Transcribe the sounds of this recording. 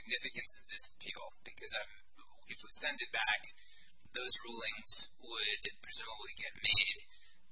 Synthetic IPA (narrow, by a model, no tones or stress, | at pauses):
ɡ̚nɪfɨkɨ̃nsʌvðɪsə̥pʰḭlˠb̥ɨkʰʌzãɪ̃m | ɨfwi̥sɛ̃ndɨt̚b̥æk | ðoʊzɹulˠɪ̃ŋz̥ | wəd̚pʰɹ̥ɨzʉməbliɡɛt̚meɪd̥